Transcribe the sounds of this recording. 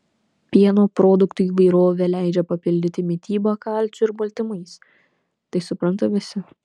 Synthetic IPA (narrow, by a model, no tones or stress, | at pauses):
pʲiɛnoːpɾoːd̪ʊkt̪uːiːʋɐɪɾoːʋʲeːlʲæɪd͡ʒʲɛpɐpʲɪlʲd̪ʲɪt̪ʲɪmʲɪt̪ʲiːbɐkɑlʲt͡ʃʲʊɪɾbɐlʲt̪ʲɪmɐɪs | t̪ɐɪsʊpɾɐnt̪ɐʋʲɪsʲɪ